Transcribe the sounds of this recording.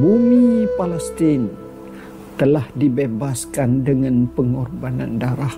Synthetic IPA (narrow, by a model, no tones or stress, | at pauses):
bumipalɛst̪ɪn | t̪əlahdibebaskandəŋanpəŋɔrbana̰ndaɾah